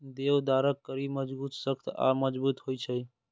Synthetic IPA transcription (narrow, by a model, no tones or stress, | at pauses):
d̪ewd̪aːɾəkːəɾiməd͡ʒbuːt̪səkt̪a̰məd͡ʒbuːt̪hoit͡ʃʰəj